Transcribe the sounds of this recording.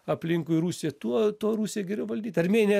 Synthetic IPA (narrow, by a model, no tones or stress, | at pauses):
ɐpʲlʲɪŋkʊɪɾuːsʲɛt̪uɔt̪uɔɾuːsʲijɛɡʲɛɾʲɛʊʋɐlʲd̪ʲiːt̪ɐɾʲmʲeːnʲe